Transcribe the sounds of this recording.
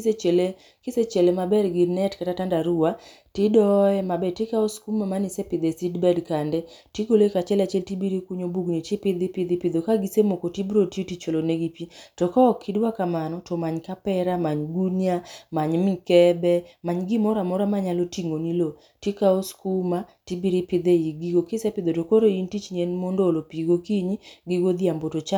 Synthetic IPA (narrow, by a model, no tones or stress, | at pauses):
set͡ʃele | kɪset͡ʃelemabɛrɡɪnɛtkatatandaɾʊwa | tɪdɔɛmabɛtɪkaoskumamanɪsɛpɪd̪esidbɛdkandɛ | tiɡolekat͡ʃɛlat͡ʃɛltibiɾikuɲobuɡnitɪpɪd̪ɪpɪd̪ɪpɪd̪okaɡisemokotibɾotitit͡ʃoloneɡipitɔkɔɔkʰːidwakamanɔtɔmaɲkapɛɾamaɲɡunjamaɲmɪkɛbɛmaɲɡɪmɔɾamɔɾamaɲalotiŋonilo | tikaoskumatibiɾipɪd̪eiɡiɡokɪsɛpɪd̪otokoɾointit͡ʃɲenmondolopiɡokiɲiɡiɡod̪iambotot͡ʃa